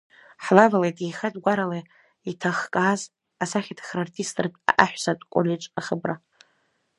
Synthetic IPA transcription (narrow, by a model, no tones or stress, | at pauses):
ħlavalajtʼijχadʼɡʷaɾalaj | itʰaχkʼaːz | asaχʲatʰχʲrartʰistʼrtʼa̰ʔaħʷᶣsatʼkʷʼo̰lʲiʈ͡ʂʼaχəbra